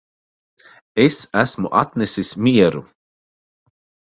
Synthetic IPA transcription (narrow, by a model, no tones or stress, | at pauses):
esæsmuʔat̪nɛsismiɛɾu